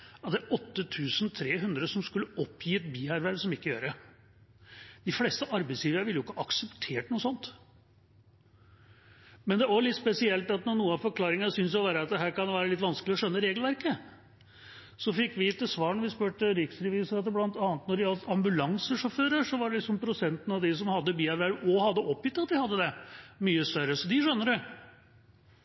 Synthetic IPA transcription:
ɑt̪d̪æɾʔɔt̪ːət̪ʰʉːsən̩t̪ʰɾeːɦʉnd̪ɾəsɔmskʉlːəɔpʰːjiːɛt̪biːhæɾʋæɾsɔmɪkːəjøːɾə | d̪̥ɪfleːst̪əʔɑɾbæɪsliːʋəɾəʋɪlːjʊɪkːəʔɑksəpt̪ʰeːʈnuːəsɔnt̪ | mɛnd̪ɛʋɑɭɪt̪spɛsɪɛlt̪ɑt̪nɔɳuːənɑfɔɾkʰlɑːɾɪŋənsʏns̬jɔʋæːɾəɑt̪̚d̪ɛɦæːɾkɑnʋæːɾəlɪt̪ːʋɑnsklɪɔʂœnːəɾeːɡlʋæɾkə | sɔfɪkːʋɪɪt̪ːəsʋɑːɾɳɔʋɪspøʈəɾɪksɾɛʋiːsəɾɑt̪d̪əblɑnt̪ɑːnət̪nɔɖɪɑlsɑmbʉlɑŋsəʂɔføːɾəʂɔʋɑɖɛlɪksɔmpʰɾʊsɛnt̪ən̩ɑʋd̪ɪs̬ɔmhɑd̪ːəbiːɛʋæɾɔhɑd̪ːəʔɔpːjʏt̪ːɑt̪̚d̪ɪhɑd̪ːəd̪ɛmyːəst̪œɾəsɔd̪ɪʂœnːəɖɛ

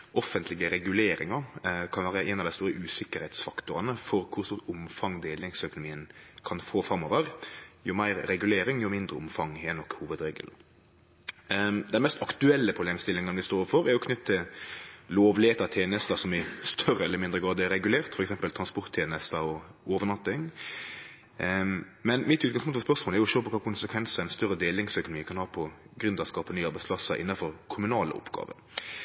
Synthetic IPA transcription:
ʔɔfːənt̪ʰlɪɡəɾɛɡʉleːɾɪ̰ŋɑkʰɑnʋæːɾəʔɛnɑʋd̪æɪst̪uːɾəʔʉːsɪkːəɾhɛt̪sfɑkt̪ʊɾɑnəfɔɾkʰʊst̪uːʊmfɑŋd̪eːlɪŋsœkʊnʊmiːənkʰɑnfoːfɾɑmɔːʋəɾjʊmæɪɾɾɛɡʉleːɾɪŋjʊmɪnd̪ɾəʊmfɑŋɛnɔkːhuːʋəd̪ɾeːɡə̰l | d̪æɪnmɛst̪ɑkt̪ʉɛlːəpʰɾʊbleːmst̪ɪlːɪŋənəʋɪst̪oːfɔɾɛɾjʊkʰnʏt̪ːt̪ʰːɪlloːʋleːt̪ɑt̪ʰeːnəst̪ɑsɔmɪst̪ʰœɾəɛlːəɾmɪnd̪ɾəɡɑːd̪əɛɾɛɡʉleːʁt̪fɔɾɛksɛmpəlt̪ʰʁɑnspɔɾt̪ʰːeːnəst̪ɑɔoːʋənɑt̪ːɪŋ | mɛnmɪt̪ʉːt̪kɑŋspʊŋt̪fɔspœʁsmoːlɛɾjʊɪʃøːpɔkʰɑːkʰʊnsəkʰʋɛnsɑɛɪnst̪œɾːəd̪eːlɪŋsœkʊnmiːkʰɑnhɑːpʰɔɡɾʉnd̪ɑskɑːpənyːɑɾbɛɪspʰlɑsəʔɪ̰nːɑfɔɾkʰʊmʉnɑːlə̰ɔ̰pɡ̥ɑ̰ːʋə̰

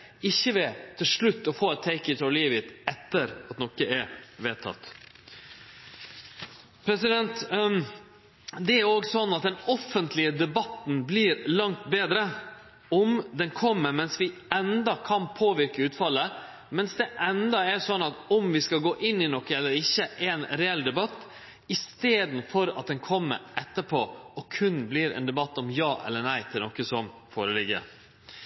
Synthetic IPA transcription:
ɪçːəʋɛt̪ʰɪlʂɭʉt̪ːɔfoːɛt̪ʰːɛɪkəɪt̪ʰɔliːʋɪt̪ɛt̪ːəɾɑt̪nɔkəɛɾʋeːt̪ʰɑ̰t̪ː | pʰɾɛsɪd̪ɛnt̪ | d̪ɛæɾoːɡsɔnːɑt̪̚d̪ɛnɔfːənt̪lɪəd̪ɛbɑt̪n̩blɪɾlɑŋt̪beːd̪ɾə | ɔmd̪ɛnkʰɔmːəɾmɛnsʋɪɛnd̪ɑkʰɑnpʰoːʋɪɾkəʉːt̪fɑlːə | mɛnsd̪ɛʔɛnd̪ɑæɾsɔnːɑt̪ɔmʋɪskɑlɡoːʔɪnːɪnɔkːəɛlːəɾɪçːəʔeːnɾɛɛlːd̪ɛbɑt̪ː | ɪst̪eːd̪n̩fɔɾɑ̰t̪̚d̪ɛnkʰɔmːə̰ɾʔɛt̪ːəpʰoːɔkʰʉnblɪɾɛ̰ːnd̪ɛbɑt̪ːɔmjɑːʔɛ̰lːənæɪt̪ʰɪlnɔkəsɔmfo̰ːɾəlɪɡə̰

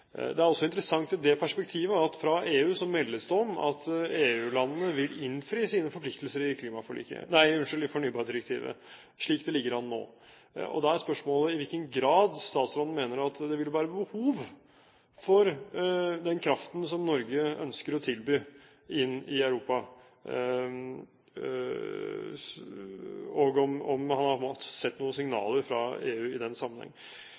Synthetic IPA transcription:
d̪ɛæɾɔsːɔɪnt̪ɾəsɑŋt̪ɪd̪ɛpʰæʂpɛkt̪ʰiːʋəɑt̪fɾɑeːʉːsɔmɛlːəsd̪ɔmɑ̰t̪eːʉːlɑnənəʋɪlɪnfɾiːsiːnəfɔɾpʰlɪkt̪əlsəɾɪkʰliːmɑfɔɭḭːkə̰næɪɪʉnʂəlɪfɔɳyːbɑːɾd̪ɪɾəkt̪ʰḭːʋə̰ | ʂɭiːkd̪ɛlɪɡːəɾɑnno̰ː | ɔ̰d̪ɛæɾspœʂmoːləɪʋɪlkənɡɾɑːd̪st̪ɑːt̪slɔːnn̩meːnəɾɑt̪d̪ɛʋɪlʋæːɾəbəhuːʋ | fɔɾ | d̪ɛnkʰɾɑft̪n̩sɔmnɔɾɡəœ̰nskəɾɔt̪ʰɪlbyː | ɪnːɪæʉɾuːpɑ | ɔɡɔmɔ̰mhɑnhɑɾpʰɔmɔt̪sɛt̪ːnuːəsɪŋnɑ̰ːləɾfɾɑ̰ḛːʉːɪd̪ɛnsɑmːənhɛ̰ŋː

